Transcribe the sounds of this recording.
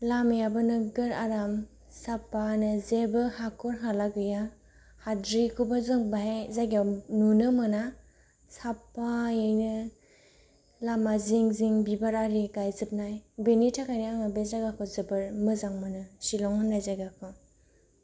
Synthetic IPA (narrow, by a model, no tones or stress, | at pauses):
lamjabɯnɯɡɯɾaɾam | sapːanɯzebɯhakɔɾɦalaɡɯja | hadɾikʰubazɯŋbaɦejzajɡawnunɯmɯna | sapajejnɯ | lamaziŋziŋbibaɾaɾiɡajzɯp̚najbenitʰakʰajniaŋɯbezaɡakʰɔzebɯɾmɯzaŋmɯnɯsilɔŋɯnːajzaɡakʰɔ